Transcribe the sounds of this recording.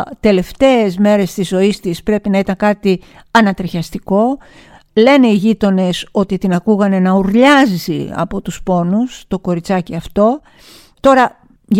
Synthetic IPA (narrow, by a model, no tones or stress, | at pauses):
t̪e̞le̞ft̪e̞ːzme̞ɾe̞st̪izo̞ist̪ispɾe̞pinɐit̪ɐŋkɐt̪i | ɐnɐt̪ɾiçɐst̪iko̞ | le̞ne̞iʝit̪o̞ne̞so̞t̪it̪inɐkuɣɐne̞nɐuɾʎɐzḭɐ̰po̞t̪uspo̞nust̪o̞ko̞ɾit͡sɐciɐft̪o̞ | t̪o̞ɾɐ | ʝ